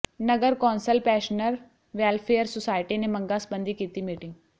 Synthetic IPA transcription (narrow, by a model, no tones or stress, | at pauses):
nɐɡəɾkɔːnsəlpɛːʃnəɾ | ʋɛːlpʰeːəɾsʊsaːɪʈinemɐ̃ŋɡasbə̃nd̪ʱikiːt̪imiːʈɪ̃ŋɡ